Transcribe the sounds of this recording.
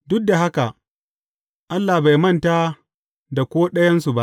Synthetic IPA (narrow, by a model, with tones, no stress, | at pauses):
dʊ˦k̚da˨ɦa˦ka˨ | ʔa˦lːa˨ba˨jmɐ˦ntaː˦ | da˨kʷoː˦ɗɐ˦jɐ˦nsu˨ba˦ʔ